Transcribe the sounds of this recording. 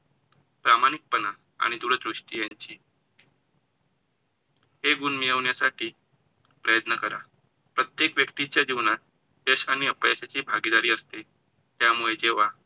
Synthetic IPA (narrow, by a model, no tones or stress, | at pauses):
pɾamaɽ̃ik̚pəna | a̰ɽ̃id̪uɽəd̪ɾuʂʈijaɲt͡ɕiː | ɦeɡunmijəʋɳjasaʈiː | pɾəjət̪nəkəɾa̰ | pɾət̪jekʋjəkt̪it͡ɕjad͡ʑiʋnat̪̚ | d̪eɕañiəpəjaɕat͡ɕiːbʱaɡid̪aɾiːəst̪e | t̪jamuɭed͡ʑeʋa